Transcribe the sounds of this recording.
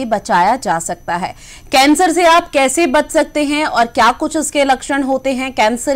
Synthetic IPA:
ebɐt͡ʃaːjad͡ʒaːsɐk̚t̪aɦɛː | kɛ̃ːnsəɾseaːpkɛːsebɐt̪sɐk̚t̪eɦɛ̃ɔːɾkjaːkʊt͡ʃʰʊskelɐkʃəɽ̃ɦoːt̪eɦɛ̃kɛ̃ːnsəɾ

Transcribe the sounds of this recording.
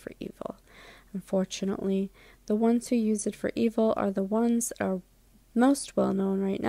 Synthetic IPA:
fə̰˞ḭvl̩ˠ | ə̃ɱfɔɹt͡ʃɨnə̰ʔli | ðəwʌ̃nz̥hʉjʉzɨtfə̰˞ʔivl̩ˠə̰˞ðəwʌ̃nz̥ə˞ | moʊst̚wɛ̰lˠnõʊ̃nɹaɪtⁿnʔa

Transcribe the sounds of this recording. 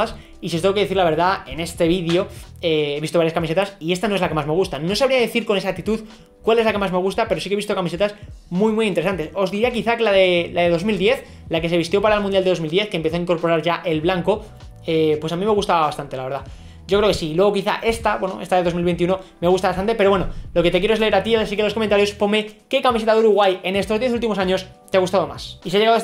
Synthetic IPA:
as | isiot̪eɣokeðeθiɾlaβe̞ɾðae̞ne̞st̪e̞βiðjo̞ | eeβist̪oaɾjaskamise̞t̪asie̞st̪ano̞e̞zlake̞mazme̞ɣ̞ust̪ano̞saβɾiaðeeθiɾko̞ne̞sak̚t̪it̪uð | kwale̞zlake̞mazme̞ɣust̪apeɾo̞sikeβist̪o̞kamise̞t̪asmujmujint̪eesant̪e̞so̞zðiɾiakiθake̞laðelaðe̞ðo̞zmild̪je̞θ | lake̞se̞βist̪jo̞paɾaelmũnjald̪eðo̞zmild̪je̞θkempe̞θoaiŋko̞ɾpo̞ɾaɾʝaʔe̞lβlaŋko̞ | epwesamĩme̞ɣust̪aβaβast̪ant̪e̞laβe̞ɾða | ɟ͡ʝo̞kɾeke̞silwe̞ɣ̞o̞kiθa̰ʔe̞st̪abwe̞no̰est̪aðeðo̞milβeniuno̞meaɣust̪aβast̪ant̪e̞pe̞ɾoβwe̞nolo̞ke̞t̪ekjeoezle̞eɾat̪ials̬ikelo̞sko̞ment̪aɾjo̞spo̞meke̞kamis̬e̞t̪aðuɾuɣwaje̞ne̞st̪o̞zðje̞θ̬ult̪imo̞saɲo̞st̪eaɣust̪að̞o̞ma̰sis̬eaʎeað

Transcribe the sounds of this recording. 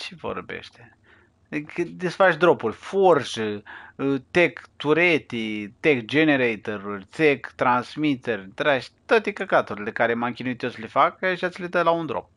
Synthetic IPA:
t͡ʃevo̰rbḛʃt̪e | kd̪isfat͡ʃd̪ɾopurʲforʃ | t̪ekt̪uɾet̪it̪ekd͡ʒeneɾejt̪eɾurʲt͡s̪ekt̪ɾansmit̪erʲt̪ɾaʃt̪ət̪ikakat̪uɾʲlekaɾemaŋkʲinujt̪ʲoslefakaʃat̪sʲled̪əlaund̪ɾo̰p̚

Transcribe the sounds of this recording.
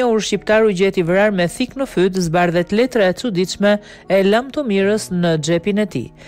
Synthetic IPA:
əuɾʃipt̪aɾuɟɛt̪ivɾaɾmɛθiknəfyt̪̬zbaɾðɛt̪lɛt̪ɾaɛt͡sud̪it͡ʃmɛ | ɛlamt̪ɔmiɾəsnəd͡ʒɛpinɛt̪ḭ

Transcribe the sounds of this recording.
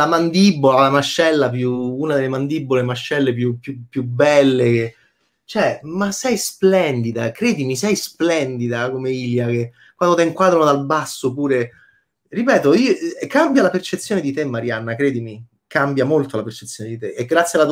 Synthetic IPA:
lamand̪ibːolalamaʃːɛlːapjuuːnad̪elːemand̪ibːolemaʃːɛlːep̬jupjupːjubːɛlːeke | t͡ʃɛmasɛjsplɛnd̪id̪akɾeːd̪imisɛjsplɛnd̪id̪akomeiːljake | kːwand̪ot̪eiŋkwaːd̪ɾand̪albasːopuːɾe | ripɛːt̪oiːokambjalapert͡ʃet̪sjoːned̪it̪emːaɾjanːakɾɛːd̪imi | kambjamolt̪olapert͡ʃe̥t̪sːjoːned̪it̪eʔeɡɾat̪sːjala

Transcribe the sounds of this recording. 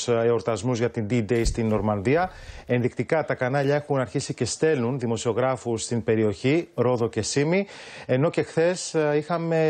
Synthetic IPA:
eo̞ɾt̪ɐzmuzʝɐt̪ind̪id̪ejst̪inːo̞ɾmɐnðiɐe̞nðik̚t̪ikɐt̪ɐkɐnɐʎɐe̞xunɐɾçisice̞st̪e̞lunðimo̞sio̞ɣɾɐfust̪imbe̞ɾio̞çiɾo̞ðo̞ce̞simi | e̞no̞ce̞xθe̞sixɐme̞

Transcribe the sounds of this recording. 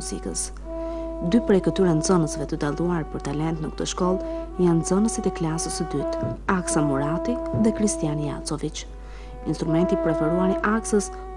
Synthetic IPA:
uzḭkə̰s | d̪ypɾɛjkət̪yɾɛnzɔnəsvɛt̪əd̪alˠuaɾpəɾt̪alɛnt̪nəkə̥t̪əʃkɔlˠjanzɔnəsit̪ɛklasəsəd̪yt̪aksamuɾat̪iðɛkɾist̪ijanija̰t͡sɔvit͡ʃ | inst̪ɾumɛnt̪ipɾɛfɛɾuaniʔaksəs

